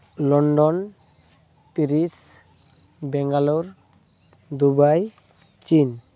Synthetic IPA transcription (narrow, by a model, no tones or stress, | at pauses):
lɔɳɖɔn | t̪iɾis | bɛŋɡaluɾ | d̪ubaj | t͡ɕin